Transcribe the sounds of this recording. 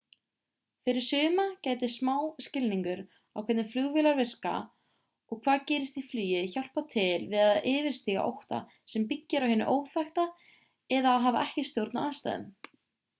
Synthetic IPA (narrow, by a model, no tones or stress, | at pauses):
fɪɾɪɾ̥sʏːmacaːjt̪ɪsmaːwscɪlniŋkʏɾ | awkʰvɛt̪nɪflʏɣvɪlaɾvɪr̥ka̰ | ɔɣkʰv̥aːðcɛːɾɪst̪iflyːjɪçawl̥pawt̪ʰɪlvɪðaðɪːvɪɾ̥st̪iːɣa̰ʔo̰wht̪a̰ | sɛmpicːɪɾawhɪnːʏ̰ʔoːwθajxt̪a | ɛðaːðɦaːva̰ʔɛhcɪst̪jowɾt̪nawaːst̪a̰jðʏ̰m